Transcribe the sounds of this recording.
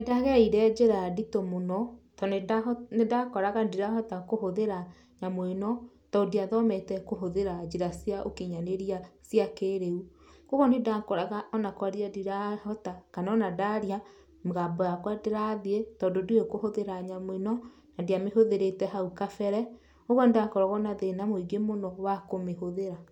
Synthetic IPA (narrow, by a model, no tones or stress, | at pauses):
daɣɛiɾɛd͡ʒeɾaditomonɔtɔnenedakɔɾaɣadiɾahɔtakoɦoðeɾa | ɲamoenɔ | tɔdiaðɔmɛtɛkoɦoðeɾad͡ʒeɾasiaʔokiɲaneɾiasiakeɾeu | koɣɔnedakɔɾaɣaʔɔnakwaɾiadiɾahɔtakanaɔnadaɾja | mɣabɔjakwadeɾaðietɔndoduekohoðeɾaɲamoenɔ | nadiameɦoðeɾetɛɦaukafɛɾɛ | oɣɔnedakɔɾɔɣɔnaðenamoiɡemonɔwakomehoðeɾa